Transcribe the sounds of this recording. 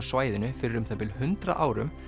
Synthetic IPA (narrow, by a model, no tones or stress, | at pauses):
svaːjðɪnʏfɪɾɪɾʏmθapɪlhʏnt̪ɾa̰ʔaːwɾʏ̰m